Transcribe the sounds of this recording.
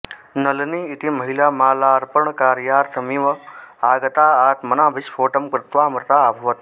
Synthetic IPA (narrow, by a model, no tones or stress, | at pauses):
nəlniːt̪iməɦilaːmãːlaːɾpəɳkaːɾjaːɾt̪ʰəmiʋəaːɡət̪aaːt̪mənaːʋɪʃfʰoːʈəmkɾɪt̪ʋaːmɾt̪aːbʱuʋət̪